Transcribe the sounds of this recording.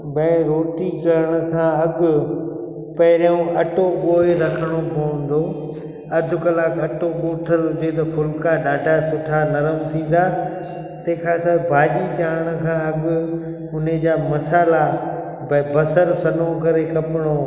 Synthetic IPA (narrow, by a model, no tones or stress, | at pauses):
bɐɪɾoːʈikɐɾəɽ̃ʊ̆kʰãːɐɠʊ | pɐɪɾũɐʈoɓoːeɾɐkʰəɽ̃opõːə̃n̆d̪oː | ɐd̪ʱʊkɐlaːkɐʈoɓoːʈʰəɾɦʊd͡ʑet̪̬ɐpʰʊlkaɗaːɖasʊʈʰanɐɾəmt̪ʰĩːn̆d̪aː | t̪ɐ̃kʰãːsabbʱaːʄit͡ɕaːɦəɽ̃ʊkʰãːɐɠʊ | ʊned͡ʑaːmɐsaːla | bɐbɐsəɾsɐnokɐɾekʰɐpɪɽ̃oː